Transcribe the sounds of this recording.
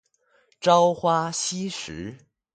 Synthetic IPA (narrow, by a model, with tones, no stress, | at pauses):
ʈ͡ʂɑ˥ʊxwa˥ɕi˥ʂɻ̩˧˥